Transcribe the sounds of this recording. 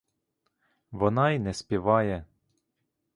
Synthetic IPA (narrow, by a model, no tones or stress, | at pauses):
ʋɔnɑinɛspʲiʋɑjɛ